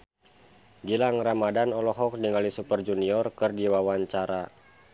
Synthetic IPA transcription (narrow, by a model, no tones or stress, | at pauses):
ɡilaŋramadanɔlɔɦɔk̚diŋalisupərd͡ʒuniɔrkɨrdiwawaɲt͡ʃaɾa